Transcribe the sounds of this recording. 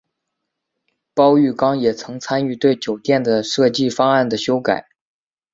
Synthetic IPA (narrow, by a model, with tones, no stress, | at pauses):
pɑ˥ʊy˥˩kɑ˥ŋjɛ˨˩t͡sʰɤ˧˥ŋt͡sʰa˥ny˥˧t̪we˥˩ɪt͡ɕjo˨˩ʊt̪jɛ˥˩nd̪ə˩ʂɤ˥˧t͡ɕi˥˩fɑ˥ŋa˥˩nd̪ə˩ɕjo˥ʊka̰˨˩˦ɪ